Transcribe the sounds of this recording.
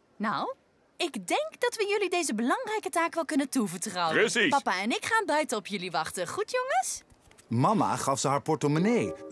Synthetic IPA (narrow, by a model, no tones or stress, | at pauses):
naw | ɪɡdɛŋkdɑtʋəjɵlidejzəbəlɑŋrɛjkətaːkʋɛlˠkɵnəntuvəɹtrɔwəəsipɑpaːɛnɪkχaːnbœɥtəɔpjɵliʋɑχtəχutjɔŋəs | mɑma̰χɑfsəɦaːɹpɔɹtɔmənej